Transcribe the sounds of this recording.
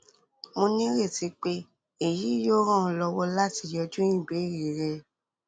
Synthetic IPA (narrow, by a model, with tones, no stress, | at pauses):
mõ˧nĩ˦ɾe˦˨ti˨˦k͡pe˦ | e˦˨ji˨˦jo˦ɾ̃ã˦˨˧lɔ˧wɔ˦la˦ti˧jɔ˧d͡ʒũ˦ĩ˦˨ɡ͡be˨˦˨ɾi˨ɾɛ˧